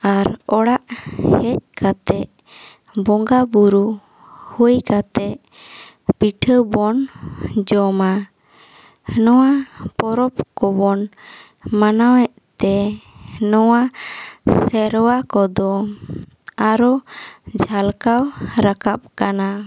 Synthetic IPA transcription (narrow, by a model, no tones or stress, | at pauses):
aɾɔɽaʔhɛc̚kat̪ɛʔ | bɔŋɡabuɾu | hujkat̪ɛʔ | piʈʰəbɔnd͡ʒɔma | nɔwapɔɾɔpkɔbɔn | manawɛʔt̪ɛ | nɔwa | sɛɾwakɔd̪ɔ | aɾɔd͡ʒʱalkawɾakap̚kana